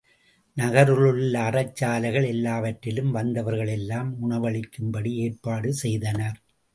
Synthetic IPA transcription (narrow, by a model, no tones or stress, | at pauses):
nɐɣɐɾɯɭɯɭlːɐːrɐt͡ʃːaːlɐɣɐɭɛlːaːʋɐʈrɪlɯmʋɐnd̪ɐʋɐɾɣɐɭɛlːaːmʊɳɐʋɐɭɪkːɯmbɐɽieːrpaːɽɯsɛjðɐnɐɾ